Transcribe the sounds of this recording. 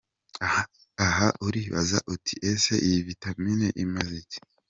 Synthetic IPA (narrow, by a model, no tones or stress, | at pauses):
aɦaʔuɾiβa̰za̰ʔutʰi̥ʔeseʔijivitamineʔimazice̥